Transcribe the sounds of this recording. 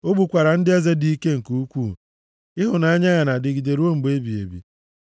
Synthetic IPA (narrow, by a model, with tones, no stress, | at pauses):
o˦bu˨kʷa˨ɾa˨n̩˦dɪ˦e˦ze˦di˦i˦ke˦ŋ̩˨ku˦u˦kʷu˦˨ | ɪ˦ɦʊ˨na˦a˦ɲa˦ɣa˨na˨dɪ˨ɡi˨de˨ɾu˦o˦m̩˨ɡ͡be˦bi˨ḛ˨bḭ˨